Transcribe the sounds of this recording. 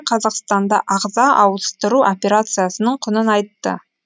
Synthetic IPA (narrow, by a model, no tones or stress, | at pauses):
qʰɑzɑqst̪ɑnd̪ɑ̰ʔɑʁzɑʔɑwst̪əɾuʔo̞pʲe̞ɾat̪sɨjasənəɴqʰʊnənɑjt̪ːə̰